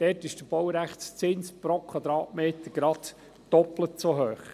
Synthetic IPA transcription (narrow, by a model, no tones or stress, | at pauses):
d̪̥ɛtɪʃd̥əb̥ɔwɾæχtt͡st͡sɪnspɾokʰwɑd̪ɾɑːtmeːt̪əɾɡ̥ɾɑt | d̥ɔplət͡soɦøːχ